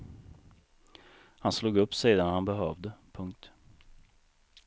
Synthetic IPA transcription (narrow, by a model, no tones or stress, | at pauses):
hansluːɡɵpːsiːd̪anhanbɛɦœːvd̪əpʰɵŋk̚t̪